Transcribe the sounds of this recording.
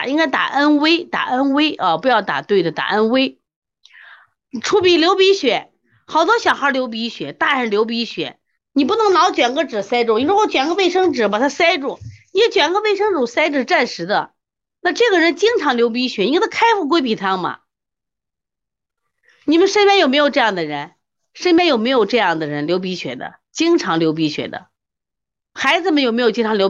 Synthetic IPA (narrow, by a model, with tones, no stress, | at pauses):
i˥ŋka˥ɪt̪a̰˨˩ʔa˥nwe˥ɪt̪a̰˨˩ʔa˥nwe˥ɪʔə˥˧pu˧˥jɑ˥˩ʊt̪a̰˨˩t̪we˥˩ɪd̪ə˩t̪a̰˨˩ʔa˥nwe˥ɪ | ʈ͡ʂʰu˥pi˧˥ljo˧˥ʊpi˧˥ɕɥɛ˨˧˩ | xɑ˨˩ʊt̪̬wɔ˥ɕjɑ˨˩ʊxə˞˧˥ljo˧˥ʊp̬i˧˥ɕɥɛ˨˩˦t̪a˥˩ɻə˧˥nljo˧˥ʊp̬i˧˥ɕɥɛ̰˨˩˦ | ni˨˩pu˥nɤ˧˥ŋnɑ˧˥ʊt͡ɕɥɛ˨˩nŋɡə˥ʈ͡ʂɻ̩˨˩sa˥ɪʈ͡ʂu˥˩ŋi˧˥ɻu˧˥o˥˩t͡ɕɥɛ˨˩nŋɡə˧pe˥˩ɪʂɤ˥ŋʈ͡ʂɻ̩˨˩pa˨˩t̪ʰa˥sa˥ɪʈ͡ʂu˥˩ni˨˩˥t͡ɕɥɛ˨˩nŋɡə˧pe˥˩ɪʂɤ˥ŋʈ͡ʂu˨˩sa˥ɪʈ͡ʂɻ̩˨˩ʈ͡ʂa˥˩nʂɻ̩˧˥d̪ə̰˧ | na˥˧ʈ͡ʂɤ˥˩ɡə˩ɻə˧˥nt͡ɕi˥ŋʈ͡ʂʰɑ˧˥ŋljo˧˥ʊp̬i˧˥ɕɥɛ˨˩˥t̪ʰa˥kʰa˥ɪfu˥˩kwɪp̬i˨˩t̪ʰɑ˥ŋmɐ̰˩ | ni˨˩mə˦nʂə˥pʲjɛ˥njo˨˩ʊme˧˥ɪjo˨˩ʈ͡ʂɤ˥˧jɑ˥˩ŋd̪ə˨ɻə˧˥n | ʂə˥npjɛ˥njo˨˩ʊme˧˥ɪjʊʈ͡ʂɤ˥˧jɑ˥˩ŋd̪ə˩ɻə˧˥nljo˧˥ʊp̬i˧˥ɕɥɛ̰˨˩d̪ə̰˦ | t͡ɕi˥ŋʈ͡ʂʰɑ˧˥ŋljo˧˥ʊp̬i˧˥ɕɥɛ̰˨˩d̪ə̰˦ | xa˧˥ɪd͡zɹ̩˧˩mə˧˥njo˨˩m˧˥jt͡ɕi˥ŋʈ͡ʂʰɑ˧˥˧ljo˧˥